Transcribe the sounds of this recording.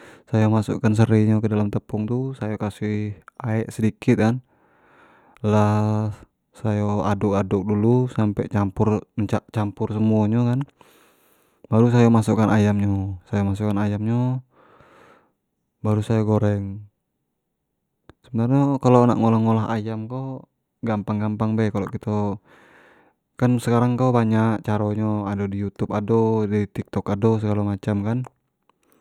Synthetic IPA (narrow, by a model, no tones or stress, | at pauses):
sajamasṵʔkans̬əɾɛɲɔkədalamt̪əpɔŋt̪usajakasiaɛʔsədikit̪̚kan | lah | sajoadɔʔadɔk̚dulusampɛt͡ʃampurt͡ʃaʔt͡ʃampursəmuaɲɔkan | baɾus̬ajamasukanajamɲɔsajamas̬ukanajamɲo | baɾusajaɡoɾɛŋ | səbənarɲokalona̰ʔŋɔlaŋːɔlaɦa̰jamko | ɡampaŋɡampaŋbɛkalokit̪ɔ | kansəkaɾaŋkobaɲakt͡ʃaɾɔɲɔadodijut̪upadodit̪ik̚t̪ɔkados̬əɡalamat͡ʃamkan